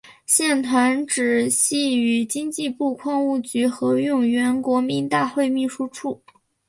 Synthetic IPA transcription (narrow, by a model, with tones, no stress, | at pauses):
ɕjɛ˥˩nt̪ʰwa˧˥nʈ͡ʂɻ̩˨˩ɕi˥˩y˧˥t͡ɕi˥ŋt͡ɕi˥˧pu˥˧kʰwɑ˥˧ŋu˥˩t͡ɕy˧˥xɤ˧˥jʊ˥˩ŋɥɛ˧˥nkwɔ˧˥mi˧˥nt̪a˥˧xwe˥˧ɪmi˥˩ʂu˥ʈ͡ʂʰu˥˩